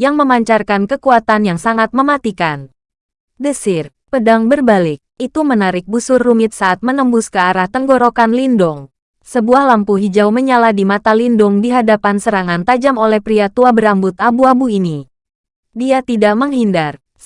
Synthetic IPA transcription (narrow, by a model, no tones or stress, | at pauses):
jaŋməmaɲt͡ʃarkankəkuat̪anjaŋsaŋat̪̚məmat̪ikan | dəsɪr | pədaŋbərbalɪk̚it̪umənaɾɪk̚busʊrːumɪt̪̚saʔːt̪̚mənəmbʊskəaɾaht̪əŋɡoɾokanlindɔŋ | səbuahlampuɦid͡ʒawməɲaladimat̪alindʊŋdiɦadapansəɾaŋant̪ad͡ʒamolɛhpɾiat̪uabəɾambʊt̪abuabuini | diat̪idaʔməŋɦindar